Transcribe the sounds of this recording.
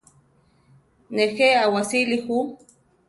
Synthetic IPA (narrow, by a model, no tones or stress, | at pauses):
nexeawasilixu